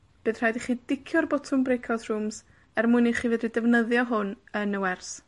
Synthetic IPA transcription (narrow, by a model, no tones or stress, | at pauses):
b̥ɨːð̥r̥ajdiχiːdɪkʰjɔrbɔtʰʊmbrekʰɔsr̥ums | ɛrmʊɨniχiːvɨːdidɛvnəðjɔɦʊnənəwɛrs